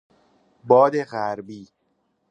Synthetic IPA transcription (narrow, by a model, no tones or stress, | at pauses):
bɒːd̪eɣæɾbiː